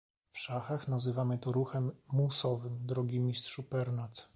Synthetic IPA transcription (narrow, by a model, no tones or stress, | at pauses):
fʂaxaxnazɘvamɘt̪ɔɾuxɛmːusɔvɘmd̪ɾɔɡʲimʲist̪ʂupɛɾnat̪